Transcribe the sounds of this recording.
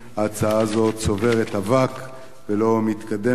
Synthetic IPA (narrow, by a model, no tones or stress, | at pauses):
haːt͡saazo̞tso̞ve̞ʁet̪havak | velo̞mit̪kad̪e̞